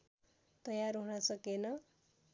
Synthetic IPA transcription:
t̪ʌjarɦunʌsʌkenʌ

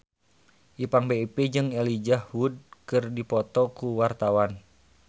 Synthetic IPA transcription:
ʔipaŋbeped͡ʒɨŋɛlid͡ʒahwud̚kɨrdipɔt̪ɔkuwart̪awan

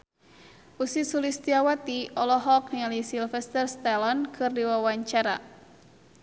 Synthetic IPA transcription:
usisulist̪iawat̪iʔɔlɔɦɔk̚niŋalisilfɛst̪ərst̪alɔnkʰɨrdiwawaɲt͡ʃaɾa̰

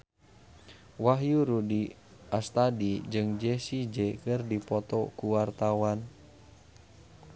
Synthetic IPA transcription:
waɦjuɾudi | ast̪adid͡ʒɨŋd͡ʒɛsid͡ʒɛkɨrdipɔt̪ɔkuwart̪awan

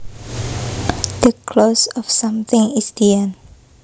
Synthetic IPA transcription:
d̥əkʰlosɔfsãmθɪ̃ŋisd̪iən

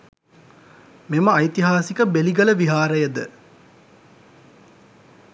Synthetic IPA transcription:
meməɐjt̪iɦaːsikəbeliɡələʋiɦaːɾəjəd̪ə

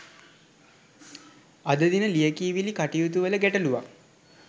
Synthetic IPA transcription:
ad̪əd̪inəlijəkiːʋilikaʈijut̪̬uʋələɡæʈəluʋa

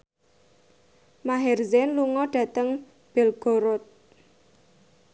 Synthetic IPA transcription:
maɦɛrzɛnluŋɔɖ̥ä̤t̪əŋ | b̥ɛlɡ̥o̤ɾɔt̪̚

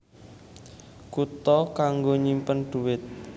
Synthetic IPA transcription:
kut̪ɔkaŋɡoɲimpəndɖ̪̥uwɪt̪̚

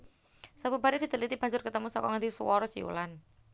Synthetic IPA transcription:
sabubaɾɛdid̪əlit̪ib̥a̤ɲd͡ʒʊrkət̪əmusɔkɔŋand̪isuwɔɾɔsḭṵlan

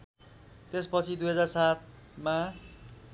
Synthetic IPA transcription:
t̪espʌt͡sʰid̪ujɦʌd͡zarsat̪̚ | ma

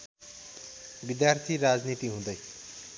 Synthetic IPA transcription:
bid̪jart̪ʰiɾad͡znit̪iɦũd̪ʌj

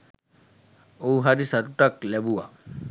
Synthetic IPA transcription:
owɦadisatutaklɛbuwa̰

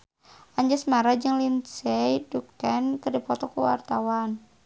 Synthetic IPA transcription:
ʔaɲd͡ʒasmaɾad͡ʒəŋlinsɛjdukankərdipɔt̪ɔkuwa̰rt̪awan

